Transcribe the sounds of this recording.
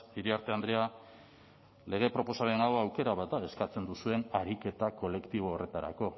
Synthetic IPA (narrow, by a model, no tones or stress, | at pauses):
iɾiaɾt̪e̞and̪ɾea | le̞ɣ̞e̞pɾo̞po̞saɾenawawke̞ɾaβat̪̚d̪ae̞skat͡se̞nd̪usue̞naɾike̞t̪ako̞le̞kt̪iβ̞o̞ːre̞t̪aɾa̰ko̞